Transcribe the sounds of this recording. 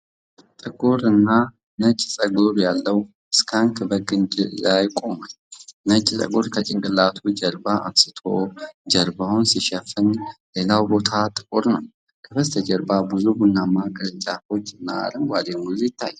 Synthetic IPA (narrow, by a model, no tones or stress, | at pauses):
t̪ʼɨkʼuɾɨnːa | nət͡ʃʼːsʼəɡoɾjalːəw | ɨskʰaŋkʰɨbəɡɨnd͡ʒajkʼo̞mal | nət͡ʃʼːsʼə̰ɡoɾkʰət͡ʃʼɪŋkʼɨlːat̪ʰud͡ʒəɾbaʔa̰msɨ̥t̪ʰo̞d͡ʒəɾbaunsiʃɛfɨnle̞lawbo̞t̪ʰat̪ʼɨkʼuɾnəw | kʰəbəst̪ʰəd͡ʒəɾbabɨzubunːamaɡɾt͡ʃʼːafot͡ʃʼːɨnːa̰a̰ɾɨnɡʷad̪eŋɡuzujɪt̪ʰːajː